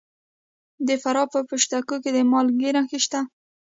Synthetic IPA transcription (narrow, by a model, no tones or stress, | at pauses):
d̪əfaɾɑpəpəʃt̪akoked̪əmɑlɡeɾaxiʃt̪a